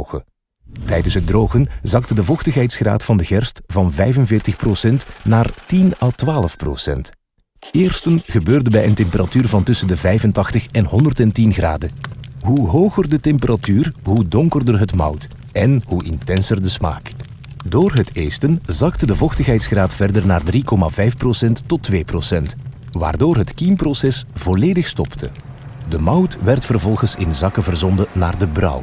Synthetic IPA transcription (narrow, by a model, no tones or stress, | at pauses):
ɣə̰ | tɛjdənsɦədroːɣənzɑk̚tədəvɔxtəxɦɛjtsxra̰ːtfɑndəɣɛrstvɑnvɛjvənvɪːrtəxprosɛntnaːrtinaːlˠtʋaːləfpro̰sɛ̰nt | ɪːrstənɣəbøːrdənbɛjəntɛmpəɾatyːrvɑntɵsəndəvɛjvəntɑxtəxɛnɦɔndərtɛntinɣra̰ːdəɦuɦoːɣərdətɛmpərʔatyːrɦudɔŋkərdərɦətmʌ̰wt | ɛnɦuʔɪntɛnsərdəsma̰ːk | doːrɦəteːstənzɑktədəvɔxtəxɦɛjtsxraːtfɛrdərnaːrdrikɔma̰ːvɛjfprosɛntːɔtʋeːprosɛnt | ʋa̰ːrdoːrɦətkimprosɛsv̥ɔleːdəxstɔptʰə̰ | dəmʌwtʋɛrtfərvɔlˠɣənsɪ̰nzɑkəvərzɔndəna̰ːrdəbrʌ̰w